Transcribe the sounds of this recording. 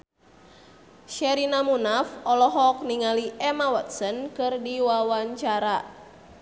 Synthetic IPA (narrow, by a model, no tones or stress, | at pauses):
ʃɛɾinamunafɔlɔɦɔk̚niŋaliʔɛmawat̪̚sənkɨrdiwawaɲt͡ʃaɾa